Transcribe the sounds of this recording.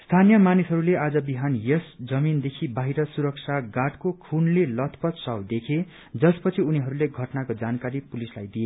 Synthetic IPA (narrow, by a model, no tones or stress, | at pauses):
st̪ʰanijʌmanisɦʌɾulead͡zʌbiɦanjesd͡zʌmind̪ekʰibaɦiɾʌsuɾʌk̚t͡sʰaɡaʈkokʰunlelʌt̪ʰpʌt̪sʌwd̪ekʰe | d͡zʌspʌt͡sʰiuniɦʌɾuleɡʱʌʈnakod͡zankaɾipulislajd̪ie